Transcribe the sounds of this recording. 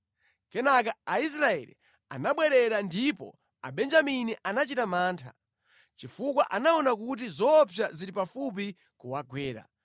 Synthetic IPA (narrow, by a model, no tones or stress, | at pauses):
kɛnak̬aais̬ɾaɛ̰lḭ | a̰naɓwɛɾɛɾandipɔ̰ | a̰ɓɛnd͡ʒaminiʔanat͡ʃitamaːntʰa̰ | t͡ʃifukwaʔanaɔnakut̬izɔpʰjaziɾipafupi | kuwaɡwɛːɾa̰